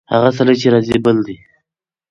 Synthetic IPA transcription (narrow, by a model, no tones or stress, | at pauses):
ha̰ɣas̬alat͡ʃeɾɑzibəld̪i